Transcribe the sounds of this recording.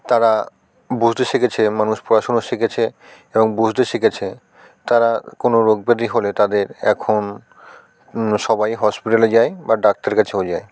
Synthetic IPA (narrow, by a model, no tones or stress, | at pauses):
t̪aɾa | bud͡ʑʱt̪eʃeket͡ɕʰemanuʃpɾoɾaʃonoʃekʰet͡ɕʰe | eboŋbud͡ʑʱt̪eʃeket͡ɕʰe | t̪aɾakonoɾoɡ̚bed̪iɦolet̪ad̪eɾɛ̰kʰon | ʃɔbajɦɔspiʈaled͡ʑaebaɖak̚t̪aɾeɾkat͡ɕʰeod͡ʑae